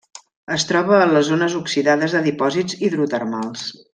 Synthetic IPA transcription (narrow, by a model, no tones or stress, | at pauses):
əst̪ɾɔβəːləzonəzuksiðaðəzðəðipɔzid͡ziðɾut̪ərmalˠs